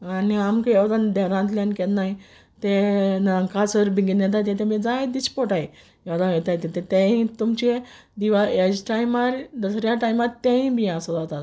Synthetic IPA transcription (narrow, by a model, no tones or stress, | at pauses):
aniamkjeʋd̪and̪ɛɾãnt̪ljãnket̪nai | t̪enəkasəɾbʱiŋɡinjɛt̪̬ajt̪et̪emĩd͡zaed̪it͡ɕpɔʈaje | jeʋd̪ajɛt̪ajt̪et̪et̪ẽĩt̪umt͡ɕe | d̪iʋaed͡ʑʈajmaɾd̪əsɾjaʈajmaɾt̪ːɛ̃ĩbʱiasədat̪at̪